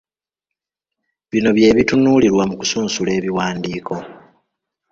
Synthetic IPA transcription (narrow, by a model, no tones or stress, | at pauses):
βino̞βje̞ːβitunuːliɾwamuku̥suːnsule̞ːβiwaːndiːkʰo̞